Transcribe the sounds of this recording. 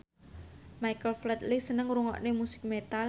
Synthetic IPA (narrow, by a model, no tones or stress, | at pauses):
majkəlflɛt̪lisənəŋɾuŋɔ̰ʔnemusɪ̥k̚met̪al